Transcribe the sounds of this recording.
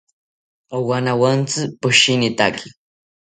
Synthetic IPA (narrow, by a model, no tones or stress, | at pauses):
owanawant͡sɨpʊʃinɪt̪akʰi̥